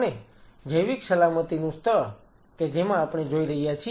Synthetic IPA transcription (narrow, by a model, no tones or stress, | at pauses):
ned͡ʒəjʋiksəlamət̪inũst̪ʰə | ked͡ʒemãːpɳ̃ed͡ʒoiɾəɦijat͡ʃʰi